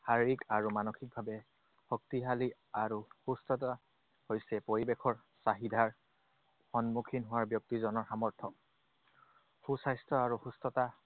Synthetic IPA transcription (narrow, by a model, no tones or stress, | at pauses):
haɹikaɹumanoxik̚bʱabɛ | hɔk̚tiɦali | aɹuxustɔta | hojsɛpoɹibekʰɔɹ | saɦidʱaɹ | xɔnmukʰinɦʊwaɹbjɔk̚tizɔnɔɹxamɔɹt̪ʰɔ | xusajstɔaɹuxustɔta